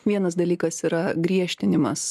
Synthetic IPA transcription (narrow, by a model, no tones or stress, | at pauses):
ʋʲiɛnɐs̬d̪ɐlʲiːkɐsiːɾɐɡɾʲiɛʃʲt̪ʲɪnʲɪmɐs